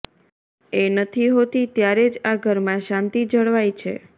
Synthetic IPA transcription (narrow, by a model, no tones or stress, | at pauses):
enət̪ʰiɦot̪it̪jaɾed͡ʒaɡʱəɾmãʃãnt̪id͡ʒəɭʋajt͡ʃʰḛ